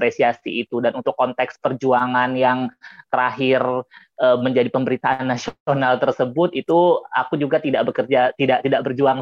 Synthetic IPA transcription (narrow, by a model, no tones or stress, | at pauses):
ɾesiasḭːt̪udanunt̪ʊkːɔnt̪ɛkspərd͡ʒuaŋanjaŋt̪əɾaɦɪr | ʔəːməɲd͡ʒadipəmbəɾit̪aʔanːasionalt̪ərsəbʊt̪it̪ua̰kud͡ʒuɡat̪idaʔbəkərd͡ʒat̪idaʔt̪idaʔ̚bərd͡ʒuaŋ